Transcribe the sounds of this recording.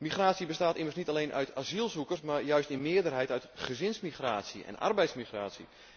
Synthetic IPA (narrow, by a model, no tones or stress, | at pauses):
miχraːsibəstaːtimərsnitalejnʔœ̰ɥtʰazilˠzukərsmaɹjœɥstɪnmɪədərɦɛjtœɥtχəzɪnsmiχraːsiɛ̰na̰rbɛjtsmiχra̰ːsḭ